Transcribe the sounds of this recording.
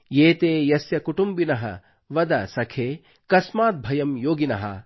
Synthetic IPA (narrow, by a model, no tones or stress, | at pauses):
jeːt̪eːjɐsjɐkuʈumbinɐɦɐ̰ | ʋɐd̪ɐsɐkʰeː | kɐsmaːt̪̚bʱɐjɐmjoːɡinɐɦɐ̰